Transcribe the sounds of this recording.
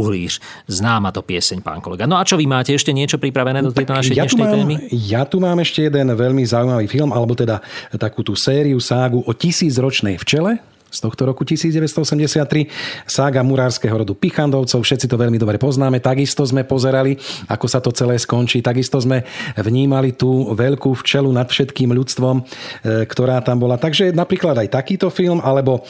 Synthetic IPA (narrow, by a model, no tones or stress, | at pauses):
uɦliːʃ | znaːmat̪ɔpɪɛsɛɲpa̰ːŋkɔlɛɡanɔat͡ʃɔʋimaːcɛɛʃcɛɲɪɛt͡ʃɔpɾipɾaʋɛnɛːd̪ɔt̪ɛjk̪t̪naʃʃɛjat̪umaːimmijat̪umaːmɛʃcɛjɛd̪ɛnʋɛʎmizaujmaʋiːfilmalɛbɔt̪ɛd̪at̪akuːt̪uːsɛːɾiusaːɡuʔɔcisiːd͡zɾɔt͡ʃnɛjft͡ʃɛlɛ | st̪ɔxt̪ɔɾɔkucisiːd͡zɟɛʋɛst̪ɔɔsɛmɟɛsɪat̪ːɾisaːɡamuɾaːɾskɛːɦɔɾɔd̪upixand̪ɔʊt͡sɔʊfʃɛt̪t͡sit̪ɔʋɛʎmid̪ɔbɾɛpɔznaːmɛt̪aɡist̪ɔzmɛpɔzɛɾalia̰kɔsat̪ɔt͡sɛlɛːskɔnt͡ʃiːt̪aɡist̪ɔzmɛʋɲiːmalit̪uːʋɛʎkuːft͡ʃɛlunat̪fʃɛt̪kiːmʎut͡st̪ʋɔmkt̪ɔɾaːt̪ambɔlat̪aɡʒɛnapɾiːklad̪ajt̪akiːt̪ɔfilmʔalɛbɔ